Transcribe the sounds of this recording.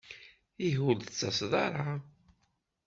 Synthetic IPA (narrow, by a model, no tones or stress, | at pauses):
iɦult͡sːɑsðˤɑ̰ɾˤɑ